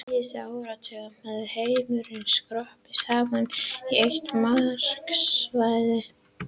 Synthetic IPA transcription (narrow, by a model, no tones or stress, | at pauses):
ɪsɪaːwɾat̪ʰɛɣamaðhejmʏɾɪnskɾɔhpisaːmaniejht̪maɾ̥ksvajðɪ